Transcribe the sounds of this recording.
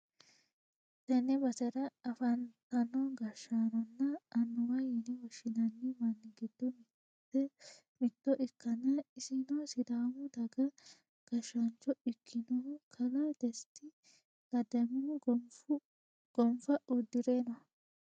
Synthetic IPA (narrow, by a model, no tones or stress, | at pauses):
t̪ɐnɛbɐsɛɾɐːfɐnt̪ɐnɔɡɐʃaːnɔnːɐːnːʊwɐjɪnɛwɔʃɪnɐnːɛmɐnːɪɡɪd̪ːɔm | ɛ | mɪt̪ːɔʔɪkːɐnɐɪsɪnɔsɪd̪aːmʊd̪ɐɡɐ | ɡ̥ɐʃːɐnt͡ʃːɔɪkʰːɪnɔkʰɐlɐd̪̥ɛst̪ːɪ | ɡɐd̪ɐmɪ | ɡ̥ɔmfɐʔɔd̪ːɪɾeːnɔɐ